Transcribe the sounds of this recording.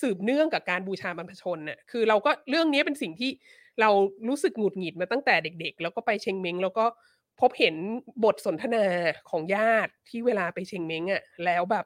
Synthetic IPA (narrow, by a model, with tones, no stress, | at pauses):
sɯː˨˩p̚nɯ˥˩əŋka˨˩p̚kaː˧nbuː˧t͡ɕʰaː˧ba˧npʰa˧t͡ɕʰo˧nʔa˨˩kʰɯː˧ɾa˧wkɔː˥˩ɾɯ˥˩əŋni˦˥pe˧nsi˨˩ŋt̪ʰiː˥˩ | ɾa˧wɾuː˦˥sɯ˨˩k̚ŋu˨˩t̪̚ŋi˨˩t̪̚maː˧t̪a˥˩ŋt̪ɛː˨˩de˨˩k̚de˨˩k̚lɛː˦˥wkɔː˥˩pa˧jt͡ɕʰe˧ŋme˦˥ŋlɛː˦˥wkɔː˥˩ | pʰo˦˥p̚he˩˦nbo˨˩t̪̚so˨˩˦nt̪ʰa˧naː˧kʰɔː˩˦ŋjaː˥˩t̪̚ʰːiː˥˩weː˧laː˧pa˧jt͡ɕʰe˧ŋme˦˥ŋʔa˨˩lɛː˦˥wbɛː˨˩p̚